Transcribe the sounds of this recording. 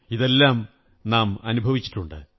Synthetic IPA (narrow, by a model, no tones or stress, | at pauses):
iðe̞lːaːm | naːmɐnubʱɐʋit͡ɕːi̥ʈːuɳɖɨ̰